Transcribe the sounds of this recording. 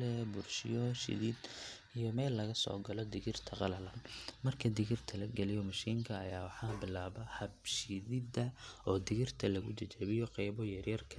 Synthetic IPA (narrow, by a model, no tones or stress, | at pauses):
ɛbʊrʃɪjɔʃɪ̰ðɪd̪ | ijɔmɛːlːɐɣɐsɔ̰ːɡɐlɔd̪ɪɣɪrt̪ʰɐqɑlɐlɐnmɐrkʰɐd̪ɪɣɪrt̪ʰɐlɐɡɛlɪjɔmɐʃiːŋkʰɐːjaːwɑħɑːbɪlaːβɐhɐbʃɪðɪd̪ɐʔɔːd̪ɪɣɪrt̪ʰɐlɐɣʊt͡ʃɐt͡ʃɛβɪjɔqɑjbɔjɐrjɐrkʰɐ